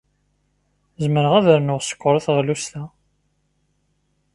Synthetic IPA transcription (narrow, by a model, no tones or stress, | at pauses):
zməɾəʁæðəɾnʊʁsə̥kʷːʊɾˤiθʁlust̪æ